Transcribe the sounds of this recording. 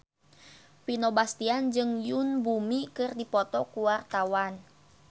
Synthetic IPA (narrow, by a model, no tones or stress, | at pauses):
pinobast̪iand͡ʒɨŋjunbumikɨrdipɔt̪ɔkuwart̪awan